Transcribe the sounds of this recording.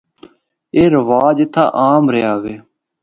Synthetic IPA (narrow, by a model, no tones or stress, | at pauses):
eːɾəʋaːd͡ʒt̪ʰa̰ːʔaːmɾeaːʋeː